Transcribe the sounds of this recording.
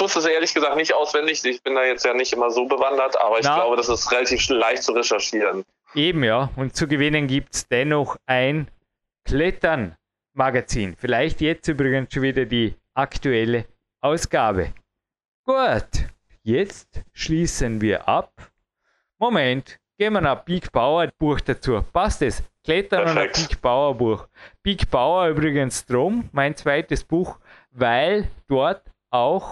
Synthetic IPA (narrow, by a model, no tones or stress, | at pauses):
ʊstɪsʔeːɐlɪçɡ̥əzaːk̚tnɪçtʔaʊsv̥ɛndɪçɪçb̥ɪndaːjɛt͡stjaːnɪçtʔɪmɐzoːbəvandɐtʔa̰ːbɐɪçnḁɡaʊbədasɪstʁelatʰiːflaɪçtt͡suʁɛʃɛɐʃiːʁən | ʔeːbm̩jaːʊnt̚t͡suɡəvɪnənɡiːp̚tsd̥ɛnɔxaɪn | kʰlɛtɐn | maɡat͡siːnfɪlaɪçtjɛt͡styːbʁɪɡənsʃonviːdɐdiːʔaktuɛlə | ʔaʊsɡ̥aːbə̰ | ɡ̥ut | jɛt͡stʃliːsənviːɐʔa̰p̚ | momɛntɡ̥eːmɐnap̚b̥iːkb̥aʊɐb̥uɐxd̥at͡suːɐpastɛskʰl̥ɛtɐnʊnapiːkb̥aʊɐbuɐxpiːkb̥aʊɐyːbʁɪɡənsd̥ʁʊmmaɪnt͡sv̥aɪtəsb̥uːx | vaɪld̥ɔɐt | ʔaʊx